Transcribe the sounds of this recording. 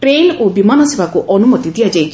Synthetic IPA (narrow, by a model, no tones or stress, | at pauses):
ʈɾelobimanɔsebakuʔɔnumɔt̪id̪ijad͡ʒajt͡ʃʰ